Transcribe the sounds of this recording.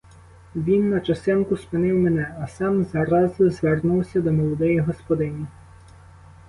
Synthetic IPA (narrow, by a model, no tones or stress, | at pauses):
ʋʲinːɐt͡ʃɐst̪ɪnkʊspɪnɪwmenɛɐsɑmzɐɾɑzʊzʋernuwsʲɐd̪ɔmɔlˠɔd̪ɛjiɦɔspɔd̪ɪnʲi